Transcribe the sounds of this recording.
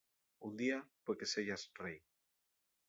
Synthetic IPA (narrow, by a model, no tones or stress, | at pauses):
und̪iapekeseʝasrej